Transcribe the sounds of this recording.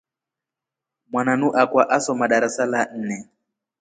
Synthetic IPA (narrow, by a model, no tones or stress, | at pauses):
mwananuʔakwaʔasɔmaɗaɾasalan̩nɛ